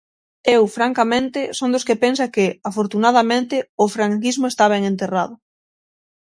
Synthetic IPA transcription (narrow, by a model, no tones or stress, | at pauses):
ewfɾaŋkamẽnt̪ɪsõnd̪ʊskɪpensɐkɪafoɾt̪unað̞amẽnt̪ɪʊfɾaŋkizmʊest̪aβeŋẽnt̪eraðʊ